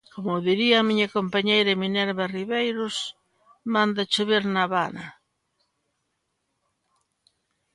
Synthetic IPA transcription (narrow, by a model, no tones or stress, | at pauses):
komʊðiɾiɐːmiɲɐkompaɲejɾɐeminɛɾβariβejɾʊs | mãnd̪at͡ʃʊβeɾnaβanɐ